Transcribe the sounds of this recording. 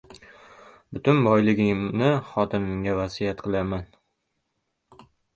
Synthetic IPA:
bʊt̪ʰʊnbɒjlˠɪɡʲɪŋnɪχɒt̪ɪnɪŋɡʲavasijat̪qʰɨlˠaman

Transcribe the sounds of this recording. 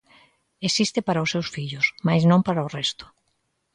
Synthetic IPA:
esist̪ɪpaɾaʊsːewsfiʎʊsmajznõmpaɾaʊrɛst̪ʊ̥

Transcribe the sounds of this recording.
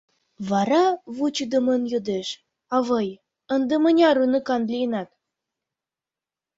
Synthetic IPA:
βɑɾɑβut͡ɕud̪ɤ̆mɤ̆njod̪eʃ | ɑβɤj | ənd̪ə̆mə̆nʲɑɾunɤkɑnd̪lʲijnɑt̪

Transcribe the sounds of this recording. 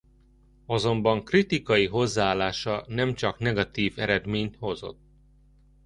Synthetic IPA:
ɒzo̞mbɒŋkrit̪ikɒjiɦo̞zːaːlːaːʃɒnɛmt͡ʃɒknɛɡɒt̪iːvɛɾɛd̪meːɲt̪ho̞zo̞̰t̪ː

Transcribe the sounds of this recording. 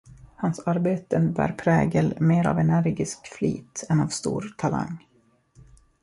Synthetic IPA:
hansaɾbeːt̪əbæːɾpʰɾɛːɡəlmeːɾa̰vɛnæɾɡɪskflḭːt̪ɛnavst̪ṵːɾt̪ʰala̰ŋː

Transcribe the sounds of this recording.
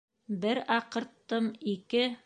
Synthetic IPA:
bɘɾɑqɤ̆ɾt̪ːɤmikɘ

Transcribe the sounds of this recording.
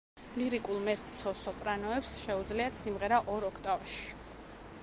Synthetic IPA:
liɾikʼulˠmɛt̪sʰɔsɔpʼɾanɔɛpsʃɛud̪zliat̪simʁɛɾaʔɔɾɔkʰt̪ʼavɛʃi̥

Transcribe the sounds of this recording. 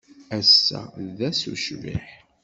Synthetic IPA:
æsːæ̰ðæsṵʃvḭħ

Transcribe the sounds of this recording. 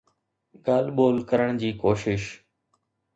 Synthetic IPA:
ɡaːlɓoːlkəɾəɳ̃d͡ʑiːkoːʃɪʃ

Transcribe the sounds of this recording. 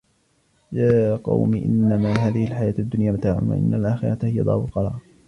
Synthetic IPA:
jaːqɑ̰wmiʔɪ̰nːamaɦaːðɪhɪlħajaːt̪ad̪ːʊnjaːmat̪aːʕʊ̰ma̰ʔɪ̰nːalʔaːxɪ̰ɾˤɑt̪hɪja̰d̪ˤɑ̰ːbʊlqɑɾˤɑ̰ːˤ

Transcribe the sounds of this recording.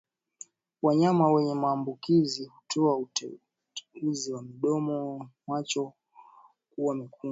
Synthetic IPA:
waɲamawɛɲɛmaːmbukizihutʰɔauɛ | uziwamiɗɔmɔmwat͡ʃɔ | kuwamiku

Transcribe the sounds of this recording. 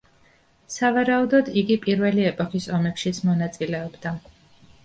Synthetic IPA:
savaɾaud̪ɔd̪iɡipʼiɾvɛliɛpʼɔkisɔmɛpʃit̪sʰmɔnat̪sʼilɛɔbd̪a

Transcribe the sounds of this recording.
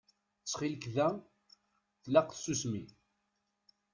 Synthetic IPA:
t͡sːχilkðæ | θlæqθsusmi

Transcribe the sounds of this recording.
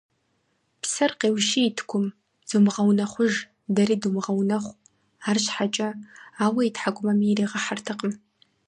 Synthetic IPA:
psɐrqeːwʃiːtʰkʷʰʊm | z̥umʁɐwnɐχʷʊʒ | dɐɾiːdumʁɐwnɐχʷ | aːrɕħat͡ʃʼɐaːwɐitħaɡʷʼʊmɐmireːʁɐħartʰɨqəm

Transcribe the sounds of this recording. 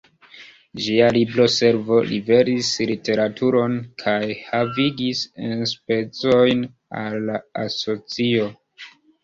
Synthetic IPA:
d͡ʒialibɾo̞se̞ɾvo̞lʔḭve̞ɾislite̞ɾatʰuɾo̞nkʰajhaviɡisenspe̞t͡so̞jn | a̰lːaaso̞t͡sio̞

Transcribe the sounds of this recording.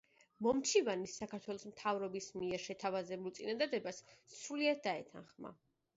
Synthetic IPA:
mɔmt͡ʃʰivanisːakʰaɾt̪ʰwɛlˠɔsmt̪ʰavɾɔbismiɛɾʃɛt̪ʰavazɛbulˠt̪sʼinad̪ad̪ɛbasːɾuliad̪̚d̪aɛt̪ʰa̰nχma̰

